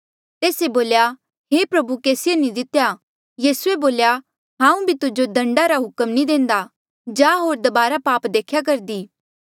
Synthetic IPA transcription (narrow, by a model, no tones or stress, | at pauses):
t̪eːseboːlja | ɦepɾɐbukeːsɪjenĩd̪ɪt̪ja | jiːsueboːlja | ɦãːũbʱit̪ʊd͡ʒod̪ʱɐ̃ɳɖaɾaɦʊkəmnĩd̪ẽːnd̪a | d͡ʒaːɦoːɾd̪ɐbaːɾapaːpd̪eːkʰjak̬ɐɾd̪iː